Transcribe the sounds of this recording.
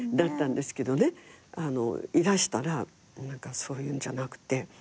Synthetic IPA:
d̪at̪ːãnd̪e̞sɨ̥ke̞d̪o̞ne̞ano̞̰iɾaɕi̥t̪aɾa | nãŋkaso̞ːjɯ̟ːɲd͡ʑanakɯ̟̥t̪ːe̞

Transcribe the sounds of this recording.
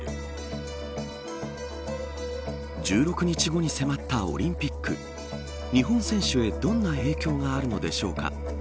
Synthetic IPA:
d͡ʑɨːɾo̞kɯ̟ɲ̟it͡ɕiɡo̞ɲ̟ise̞mat̪ːao̞̰ɾʲĩmpʲikːɯ̰ | ɲ̟iɦõ̞ɰ̃sẽ̞ɰ̃ɕɨe̞d̪õ̞nːae̞ːkʲo̞ːŋaːɾɯ̟no̞d̪e̞ɕo̞̰ːka̰

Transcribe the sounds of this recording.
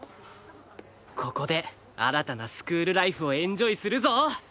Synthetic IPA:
kʰo̞ko̞d̪e̞ | a̰ɾat̪anasɨ̥kɯ̟ːɾɯ̟ɾaiɸɯ̟o̞ẽ̞ɲ̟d͡ʑo̞isɨɾɯ̟zo̞

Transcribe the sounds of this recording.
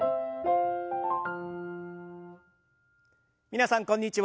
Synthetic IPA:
minasankɔnit͡ʃiw

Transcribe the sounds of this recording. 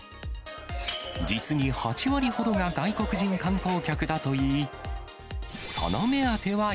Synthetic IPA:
d͡ʑit͡sɨɲ̟ihat͡ɕiβaɾʲiho̞d̪o̞ŋaɡaiko̞kɯ̟ʑĩŋkãŋko̞ːkʲakɯ̟d̪at̪o̞iː | sa̰name̞at̪e̞βa

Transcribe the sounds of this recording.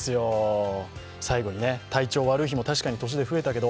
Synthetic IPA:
sɨjo̞ | saiɡo̞ɲ̟ine̞t̪ait͡ɕo̞ːβaɾɯ̟içimo̞t̪aɕi̥kaɲ̟it̪o̞ɕ̬id̪e̞ɸɯ̟e̞t̪ake̞d̪o

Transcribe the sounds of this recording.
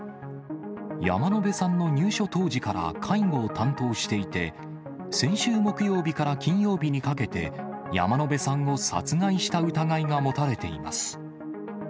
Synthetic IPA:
ja̰mano̞be̞sãnːo̞ɲ̟ɨːɕo̞t̪o̞ːʑikaɾa̰kʰaiŋo̞ːt̪ãnt̪o̞ːɕi̥t̪e̞it̪e̞ | sẽ̞ɰ̃ɕɨːmo̞kɯ̟jo̞ːbʲikaɾakʲĩɰ̃jo̞ːbʲiɲ̟ikake̞t̪e̞̰ | ja̰mano̞be̞sãŋo̞sa̰t͡sɨŋaiɕi̥t̪aɯ̟t̪aɡaiɡamo̞t̪aɾe̞t̪e̞ḭma̰sɨ̥

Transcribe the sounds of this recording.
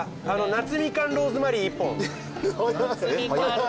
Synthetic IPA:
ano̞nat͡sɨmʲikãnɾo̞ːzɨmaɾʲiːpːõ

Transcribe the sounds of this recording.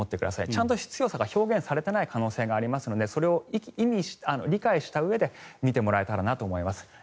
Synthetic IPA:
o̞t̪ːe̞kɯ̟d̪a̰sait͡ɕãnt̪o̞ɕi̥t͡sɨ̥jo̞ːsaɡaço̞ːɡẽ̞ɰ̃saɾe̞t̪e̞naikʰano̞ːse̞ːɡaːɾʲimasɨno̞d̪e̞so̞ɾe̞o̞ikʲimʲiɕano̞ɾʲikaiɕi̥t̪aɯ̟e̞d̪e̞mʲit̪e̞mo̞ɾae̞t̪aɾanat̪o̞ːmo̞imasɨ̥

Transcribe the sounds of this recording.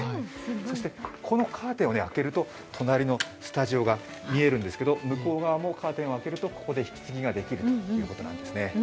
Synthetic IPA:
haiso̞ɕi̥t̪e̞kʰo̞no̞kʰaːt̪ẽone̞ake̞ɾɯ̟t̪o̞ | t̪ʰo̞naɾʲino̞sɨ̥t̪aʑio̞ɡa | mʲie̞ɾɯ̟̃nd̪esɨ̥ked̪o̞mɯ̟ko̞ːɡaβamo̞kʰaːt̪ẽo̞ake̞ɾɯ̟t̪o̞ko̞̥ko̞d̪e̞çi̥kʲi̥t͡sɨɡʲiɡad̪e̞kʲiɾɯ̟t̪ojɯ̟ːko̞t̪onã̰nd̪e̞sɨne̞

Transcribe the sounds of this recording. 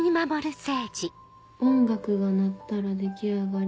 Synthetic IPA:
ɲ̟imamo̞ɾɯ̟se̞ːd͡ʑi | õ̞ŋɡakɯ̟ɡanat̪ːaɾad̪e̞kʲiaɡaɾ

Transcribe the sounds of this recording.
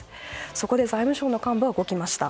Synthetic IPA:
so̞ko̞d̪e̞zaimɯ̟ɕo̞ːno̞kãmbɯ̟aɡo̞kʲimaɕi̥t̪a̰

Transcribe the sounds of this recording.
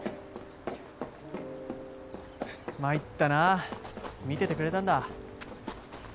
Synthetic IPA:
mait̪ːana | mʲit̪e̞t̪e̞kɯɾe̞t̪ãnd̪a

